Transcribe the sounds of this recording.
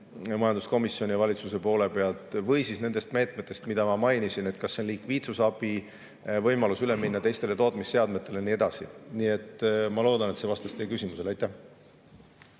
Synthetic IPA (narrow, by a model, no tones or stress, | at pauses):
mɑjɑnd̪usko̞misːjo̞nʲijɑvɑlʲit̪suse̞po̞ːle̞pe̞ɑlt̪ˑvɤjsisne̞nd̪e̞st̪me̞ːt̪ˑme̞t̪ːˑe̞st̪mid̪̥ɑmɑmɑjnisine̞t̪̚kɑsːenlikviːt̪susɑb̥i | vɤjmɑlusyle̞minːɑt̪e̞jst̪e̞le̞t̪o̞ːt̪ˑmisːe̞ɑd̪me̞t̪ːˑe̞le̞nie̞d̪ɑsḭnie̞t̪ˑːmɑlo̞ːd̪ɑnet̪sevɑst̪ɑst̪e̞jkysimuse̞lɑjt̪ːˑæh